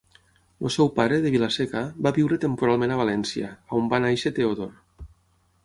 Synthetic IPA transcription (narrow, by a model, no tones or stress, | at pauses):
lo̰sɛwpaɾeðeβilasekabaβiwɾet̪empuɾalˠmẽnaβ̞alɛnsiaaombanajʃet̪eoðon